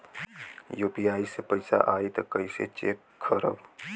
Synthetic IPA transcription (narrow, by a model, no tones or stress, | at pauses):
juːpijaːisepəɪsa̰ʔaːit̪ɐkəɪsḛt͡ʃeːk | kʰəɾə̰b